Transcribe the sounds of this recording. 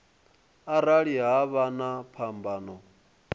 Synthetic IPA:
aɾaɺiɦaβanapʰambaːnɔ

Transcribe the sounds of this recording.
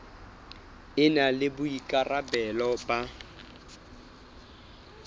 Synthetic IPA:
ɪnalɪbʊikʼarabɛlɔpʼa

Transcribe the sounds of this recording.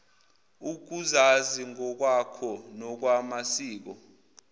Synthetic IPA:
uk̬uzaziŋʱɔk̬wakʰɔnɔk̬wamasiːk̬ɔ

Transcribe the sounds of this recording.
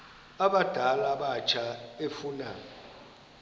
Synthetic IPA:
aɓad̥ʱalaɓat͡ʃʰaɓefuna̰ɔ

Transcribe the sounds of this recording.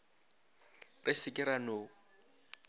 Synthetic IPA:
rʔɪsɪkʼɪɾanoː

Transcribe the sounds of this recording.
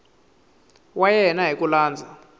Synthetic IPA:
wajɛnaɦikulaːnd͡zʱa

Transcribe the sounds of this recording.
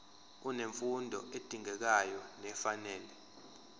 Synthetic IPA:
uneɱfundʱɔ̰ʔed̥ʱiŋɛk̬ajɔnɛfanɛːlɛ

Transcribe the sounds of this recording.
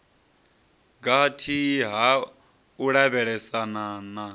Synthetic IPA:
ɡatʰiɦa | uɺaβɛɺɛsanana

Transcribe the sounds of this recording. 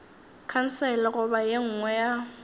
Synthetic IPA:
kʰan̩sɛlɪɣʊbajeŋ̩ŋwɛja

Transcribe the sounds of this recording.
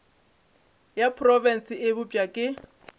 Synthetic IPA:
japʰrɔvɛn̩sɪʔɪbʊpʼakʼɪ

